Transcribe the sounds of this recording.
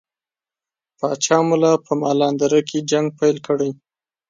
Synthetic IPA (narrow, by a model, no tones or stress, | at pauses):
pɑt͡ʃɑmulapəmɑlɑnd̪aɾəkʰed͡ʒaŋɡ̚pajlkəɽaj